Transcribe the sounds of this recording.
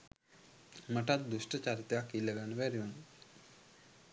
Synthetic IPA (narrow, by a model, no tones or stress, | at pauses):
məʈat̪̚d̪uʃʈət͡ɕaɾit̪eakiləɡanʋɛɾjon